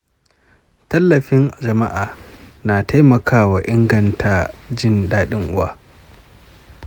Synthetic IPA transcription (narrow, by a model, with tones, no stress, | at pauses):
tɐ˦lːɐ˨ɸɪ˦n˨d͡ʒɐ˨ma˦ʔaː˨naː˨ta˦jmɐ˨kʰaː˦wa˨ʔɪ˦ŋɡɐ˨ntʰaː˦d͡ʒɪ˦˨ndaː˦ɗɪ˦ŋʔʊ˦wa̰ː˦